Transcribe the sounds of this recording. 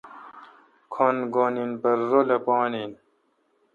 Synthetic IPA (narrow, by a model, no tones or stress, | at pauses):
kʰonɡoninbɐɾːolɐpɑːnin